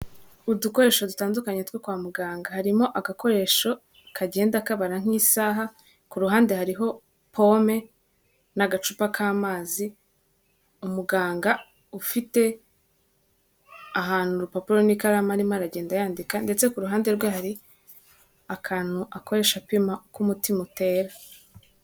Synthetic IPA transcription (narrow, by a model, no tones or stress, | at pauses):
uduko̞ɾe̞ːʃo̞dutaːndukaɲetwekwaːmuɡaːŋɡahaɾimo̞ʔaɡako̞ɾe̞ːʃo̞ | kʰaɟe̞ːndakaβaɾaŋ̥isaːɦa | kuɾuɦaːnde̞haɾiɦo̞ | pʰo̞me̞ | naɡat͡ʃupakʰaːmaːzi | umuɡaːŋɡa | ufite̞ | aɦaːn̥huɾupapuɾo̞nikaɾamaɾimaɾaɟe̞ːndajaːndikande̞t͡se̞kuɾuɦaːnde̞ɾɡwehaɾi | akʰaːn̥huʔako̞ɾe̞ːʃapimakumutimute̞ːɾa